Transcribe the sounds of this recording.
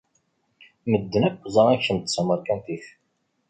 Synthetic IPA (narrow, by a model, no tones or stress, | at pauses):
məd̪ːənækʷːzˤəʁˤæçənt̪ə̥sːəməɾkænθiç